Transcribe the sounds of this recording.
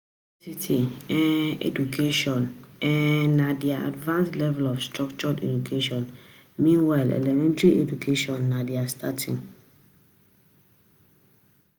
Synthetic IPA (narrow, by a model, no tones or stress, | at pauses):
sitʰiɛ̃nḛdukʰeʃɔ̃nɛːadiaa̰dvãnslɛvɛlɔfstɾɔkt͡ʃɔdḛdukʰeʃɔ̃n | mĩnwaɪlɛ̰lɛmɛ̃ntɾiʔedukʰeʃɔ̃nːadiastʰatʰĩŋ